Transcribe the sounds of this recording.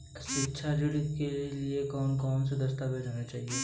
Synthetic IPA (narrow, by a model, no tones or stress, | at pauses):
ʃɪtːʃʰad͡ʒɪɽɪt̪keliekɔːnkɔːns̬ed̪ɐst̪aːbed̪oːnat͡ʃaːɦieː